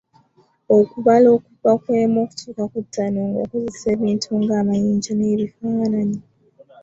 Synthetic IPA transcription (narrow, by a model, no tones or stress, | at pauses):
o̞kuβalo̞ːkuvakwe̞ːmoːku̥tʰuːkakutːanoːŋɡaako̞zese̞ːβiːntʰuŋɡaːmajiːɲd͡ʒaneβifaːnaɲi